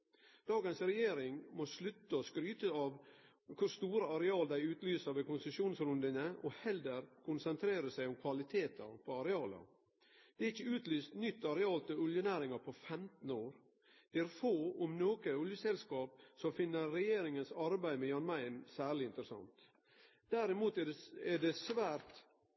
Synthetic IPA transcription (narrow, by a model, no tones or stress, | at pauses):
d̪̥ɑːɡənsɾɛjeːɾɪŋmɔslʉt̪ːəɔskɾyːt̪əɑːʋ | kʰʊɾst̪uːɾəɑɾɛɑːld̪æɪʉːt̪lyːsəɾʋɛkʊnsəʂuːnsɾʉnd̪ənəʔɔhɛld̪əɾkʰʊnsənt̪ʰɾeːɾəsæɪʊmkʰʋɑlɪt̪ʰeːt̪ʰɑ̰pʰɔɑɾɛɑːlə̰ | d̪̥ɛɾɪçːəʉːt̪lyːst̪nʏt̪ːɑɾɛɑːlt̪ʰɪʉljənæːɾɪŋɑɾpʰɔfɛmt̪n̩oːɾ | d̪̥ɛæɾfoːʊmnoːkəʊljəsɛlskɑːp̚sɔfɪnːəɾːɛjeːɾɪŋənsɑɾbæɪmɛjɑnmæɪnsæːɾɭɪɪnt̪əɾəsɑ̰ŋt̪ | d̪̥æɾɪmuːt̪ɛɖɛɛɖɛsʋæːɾt̪